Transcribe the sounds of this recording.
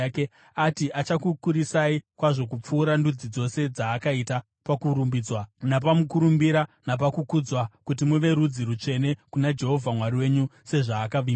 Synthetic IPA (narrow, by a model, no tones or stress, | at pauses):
ke | atiʔat͡ʃakukuɾisaikwaʐo̞k̬up͡fuːɾandud͡zid͡zo̞se̞d͡zaːkaita | pakuɾumbiːd͡zwanap̬amukuɾumbiɾanap̬akukud͡zwakut̬imuʋe̞ɾud͡ziɾut͡ʂe̞ne̞kunad͡ʒe̞ɦo̞vʱamwaɾiwe̞ɲuse̞ʐaːkaʋi